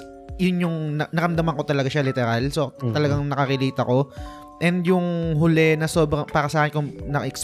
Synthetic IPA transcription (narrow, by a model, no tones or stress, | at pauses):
jʊnjʊŋnɐnɐɾɐmd̪ɐmɐŋko̞t̪ɐlɐɡaʃalɪt̪ɛɾalsot̪ɐlɐɡaŋnɐkɐkɪliːt̪ɐko̞ | ʔɛnd̪jʊŋɦʊlɛnɐso̞ːbɾɐŋpaːɾɐsɐʔaːkɪnkʊŋnɐkɐʔɛks